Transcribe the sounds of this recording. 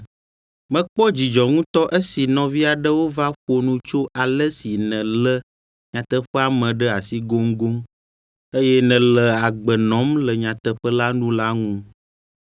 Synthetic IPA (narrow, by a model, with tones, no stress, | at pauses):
mɛ̃˦k͡pɔ˦d͡ʑi˨d͡ʒɔ˨ŋũ˦t̪ɔ˦ʔe˦si˨nɔ̃˨vi˦a˨ɖə˦wo˦va˦ɸo˨nũ˦t͡ʃo˦ʔa˨lə˦si˨nɛ̃˨lə˦ | ɲã˨t̪ə˦ɸə˦a˨mɛ̃˨ɖə˦a˨si˦ɡo˦ŋɡo˦m | e˦jɛ˦nɛ̃˨lə˨a˨ɡ͡bə˨nɔ̃˨˦mlə˨ɲã˨t̪ə˦ɸə˦la˦nũ˦la˦ŋũ˦